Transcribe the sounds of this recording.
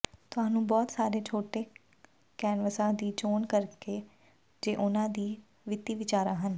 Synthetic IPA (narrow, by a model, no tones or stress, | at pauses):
t̪ʊɦãːnũːbɔːt̪saːɾeːt͡ʃʰoːʈeː | kɛːnʋəsãːd̪iːt͡ʃoːnkəɾkeː | d͡ʒeːʔʊnãːd̪iː | ʋɪt̪iːʋɪt͡ʃaːɾãːɦən